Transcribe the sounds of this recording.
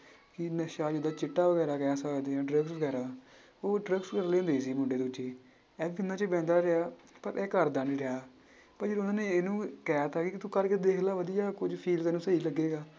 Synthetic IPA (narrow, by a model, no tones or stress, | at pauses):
kɪnəʃaːd͡ʒɪd̪aːt͡ʃɪʈːaːʋəɡɛːɾaːkɛːsaːd̪ẽːɖɾəɡsʋəɡɛːɾaː | oːɖɾəkskəɾleːʊ̃nd̪eːs̬iːmʊɳɖeːd̪uːt͡ʃːeː | ɛːbiːɪnːãːt͡ʃəbɛ̃ːnd̪aːɾeaː | pəɾʔɛːkəɾd̪aːnĩːɾeaː | pəɾd͡ʒəːɾʊnãːneːenũːkɛːaːt̪ʰaːkikt̪ũːkəɾked̪eːkʰlaːʋəd̪ijaːkʊd͡ʒpʰiːlt̪ɛːnũːsəiːləɡːeːɡaː